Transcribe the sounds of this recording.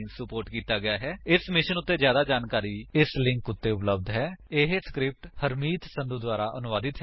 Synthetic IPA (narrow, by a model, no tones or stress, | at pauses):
ŋksəpoːɾʈkiːt̪aːɡɪjaːɦɛːɪsmɪʃənʊt̪ːeːzjaːd̪aːd͡ʒaːnkaːɾiːɪslɪ̃ŋkʊt̪ːeːʊpləb̚d̪ɦɛːɪɦskɾɪp̚ʈhəɾmiːt̪sə̃nd̪uːd̪ʊaːɾaːʔənʊʋaːd̪ɪt̪ɦ